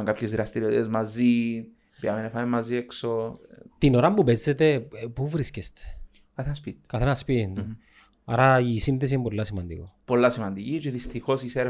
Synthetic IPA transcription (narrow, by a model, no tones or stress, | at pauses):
ŋkapçezðiɾɐst̪iɾiot̪ḭt̪ezmazi | piɐmenefamemːazieksot̪ino̞ɾɐmbupezːet̪e̞puvɾiscest̪e̥ | kɐθenspikɐθenɐspitind̪u | ɐ̰ɾɐisinθes̬iembolːɐsimɐnd̪ḭkopo̞lːɐsimɐnd̪icit͡ʃeðist̪ixo̞siseɾ